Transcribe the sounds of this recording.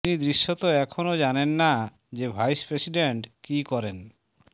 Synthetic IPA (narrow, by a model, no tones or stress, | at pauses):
nid̪ɾiʃːot̪oɛkʰonod͡ʑanenːa | d͡ʑebʱajspɾesiɖeɳʈkikɔɾen